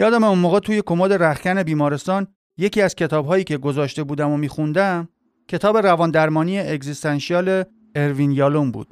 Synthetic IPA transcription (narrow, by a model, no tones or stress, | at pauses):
jɒːd̪æmeunmoɣet̪ʰuːje̞kʰo̞moːd̪e̞ɾæχcæne̞biːmɒːɾe̞st̪ɒːn | je̞ciːæz̥cʲʰe̞t̪ʰɒːbɦɒːjiːcʰe̞ɡo̞zɒːʃt̪e̞buːd̪æmomiːxund̪æm | cʰe̞t̪ʰɒːbe̞ɾævɒːnd̪æɾmɒːniːeʔeɡzist̪enʃiɒːle | eɾvinjɒːlombṵːd̪̥